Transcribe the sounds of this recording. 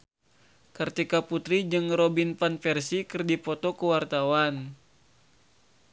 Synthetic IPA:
kərt̪ikaput̪ɾid͡ʒɨŋɾɔbinfanfɛrsikərdipɔt̪ɔkəwart̪awan

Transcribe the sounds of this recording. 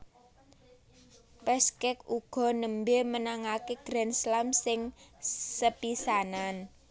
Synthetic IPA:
pɛskɛkuɡ̥ɔ̤nəmbemənaŋakeɡ̥ɾɛnslamsɪŋsəpisanan

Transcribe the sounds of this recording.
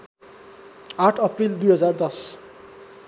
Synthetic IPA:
aʈʰʌprild̪ujɦʌd͡zard̪ʌs

